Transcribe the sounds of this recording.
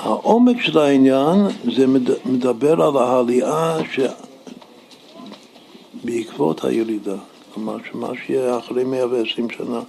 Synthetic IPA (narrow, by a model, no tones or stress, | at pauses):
ha̰ʔomekʃelainjanzɛmedabeɾalaɦaliaʃe | beikvo̰t̪ha̰jeɾid̪a | lamaʃema̰ʃejɛaχɾejmejaveesɾimʃa̰na